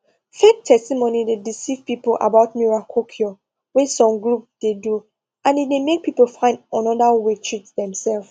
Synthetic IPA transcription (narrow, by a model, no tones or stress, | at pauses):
fek̚tʰɛstimonidedisiv̥pipolʔa̰baʊtmuɹakʰokʰio | wɛsɔ̃mɡlup̚d̥edu | ʔãnitdemek̚pʰipolfãɪ̃ndɔ̃nɔdawetʰɹitdɛ̃msɛlf